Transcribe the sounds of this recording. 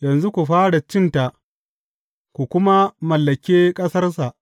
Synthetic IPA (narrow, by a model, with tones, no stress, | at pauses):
jɐ˨nzu˦kʷu˨ɸaː˦ɽa˨t͡ʃɪ˦nta˨ʔ | kʷu˨kʷʊ˦ma˦mɐ˨lːɐ˨kʲeː˦kʼɐ˦sɐ˦rs̬a˨ʔ